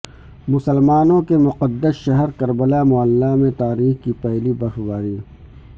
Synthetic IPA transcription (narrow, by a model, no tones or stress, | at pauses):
mʊsəlmaːnõkemʊqəd̪ːəsʃɐɦɛɾkɐɾbəlamʊəlːamẽt̪aːɾiːxkipɛɦlibɐxbaːɾiː